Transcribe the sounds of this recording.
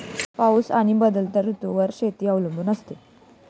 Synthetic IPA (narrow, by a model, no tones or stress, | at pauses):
pausaɽ̃ibəd̪əlt̪aɾut̪uʋəɾɕet̪iːəʋləmbunəst̪e